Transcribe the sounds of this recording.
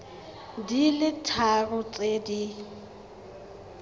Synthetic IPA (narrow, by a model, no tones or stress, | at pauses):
dilɪtʰarʊt͡sʼedi